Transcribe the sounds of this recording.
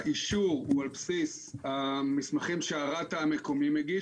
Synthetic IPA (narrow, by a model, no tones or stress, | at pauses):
ʔiʃuʁualpsisamismaχimʃeaʁataːmeko̞mimeɡi